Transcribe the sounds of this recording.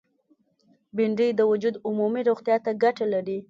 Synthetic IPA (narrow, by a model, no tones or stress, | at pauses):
bɪɳɖəjd̪əwʊd͡ʒud̪ʊmumiɾoɣt̪jɑt̪aɡaʈalaɾi